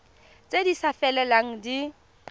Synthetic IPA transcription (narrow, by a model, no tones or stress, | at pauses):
t͡sʼedisafɛlɛlaŋ̩di